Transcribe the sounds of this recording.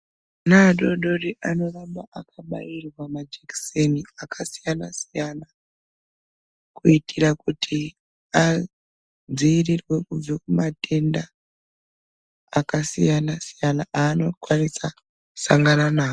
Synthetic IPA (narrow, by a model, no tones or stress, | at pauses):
naɗo̞ɗo̞riʔano̞rambaʔakʰaɓa̰irwamad͡ʒeki̥seniakʰasijanasijana | kuitʰirakutʰi | a | d͡ziːrirwe̞kub͡vakumate̞nda | kasijanasijanaʔaːno̞kwanisa | u̥saŋɡananaːo